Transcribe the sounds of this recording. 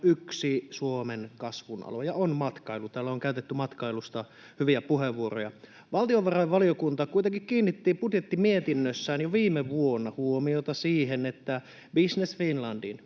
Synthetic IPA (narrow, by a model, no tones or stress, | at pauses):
yksisuomenkɑsʋunɑ̰lojɑonmɑt̪kɑilut̪æːlːæoŋkæyt̪et̪ːymɑt̪kɑilust̪ɑ | hyʋiæpuheʋːuorojɑ | ʋɑlt̪ioʋʋɑrɑiʋʋɑliokunt̪ɑkuit̪eŋkikkiːnːit̪ːiːmpud̪jet̪ːimiet̪inːøsːæːnjoʋiːmeʋuonːɑhuomiot̪ɑsiːɦenet̪ːæ | bisnesfinlɑndin